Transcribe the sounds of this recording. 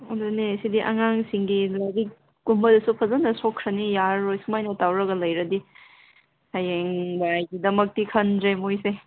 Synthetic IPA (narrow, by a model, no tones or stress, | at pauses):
odonesidiʔɐ̰ŋaŋsiŋɡilaɡik | ɡ̥umbɐdɐsupʰɐzɐnɐsokʰːɾɐnijaɾojsumajnɐtawɾɐɡɐlɐjɾɐdi | hajeŋbajɡidɐmɐk̚tikʰɐnzejmojse